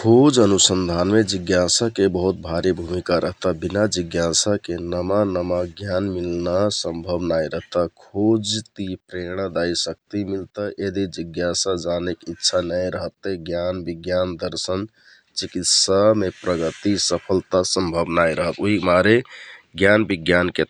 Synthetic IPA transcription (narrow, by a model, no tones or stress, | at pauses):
kʰod͡ʒənusənd̪ʱanmed͡ʒiɡjasakebəɦut̪̚bʱaɾebʱumikaɾʔəɦt̪abinad͡ʒiɡjasakenəmanəmaɡjanmilnasə̃mbʱəbnajɾəɦt̪akʰod͡ʒt̪ipɾeɽ̃ad̪ajsək̚t̪imilt̪əʔed̪id͡ʒiɡjasad͡ʒanekitːʃʰanəjɾəɦət̪ːəɡjanbiɡjand̪əɾsən | t͡ʃikit̪samepɾəɡət̪isəpʰəlt̪asəmbʱəbnajɾəɦət̪oɦimaɾeɡjanbiɡjanke